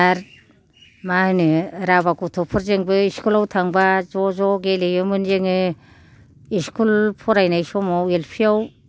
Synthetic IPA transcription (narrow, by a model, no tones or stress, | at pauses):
aɾ | mahɯnɯɾabakɔtʰɔpʰɯɾzeŋbɯiskulawtʰaŋbazɔzɔɡelejɯmɯnzeŋɯ | iskʰulpʰɔɾajnajsɔmawelpʰiaw